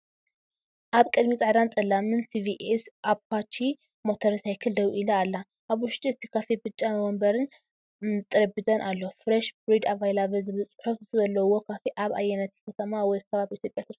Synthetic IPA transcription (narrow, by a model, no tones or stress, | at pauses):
ʔaβkʼɨd̪mit͡sʼɐʕd̪ant͡sʼɐlamɨnsiviʔsʔaβkat͡ʃʰːi | mo̞t̪ʰɐɾsajkʰɨld̪ɐβʔilɐːlːa | ʔaβʊʃt̪ʼiɨt̪ʰi̥kʰafibɨt͡ʃʼːamɐwɔmbɐɾɨn | t̪ʼɨɾɐbɨt̪ʼɐnʔalːofɾɐʃbɾid̪avajlaβɐzɨβɨt͡sʼħofzɐlːɐwo̞kʰafiʔaβa̰jɛnɐt̪ʰi̥kʰɐt̪ʰɐmawɔjkʰɐβaβiʔit̪jo̞pʼjat̪ʰɨɾ